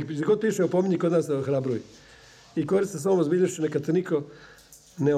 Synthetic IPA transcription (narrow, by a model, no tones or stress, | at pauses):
zɡod̪̚piːʃeupomiɲikod̪naːsxɾabɾuji | ikoɾist̪esʋomozbiʎaʃt͡ʃinekad̪t̪eniko | ne